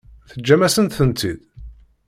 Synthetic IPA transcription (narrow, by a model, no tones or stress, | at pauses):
θəd͡ʒːæmæsənt̪θənt̪id̪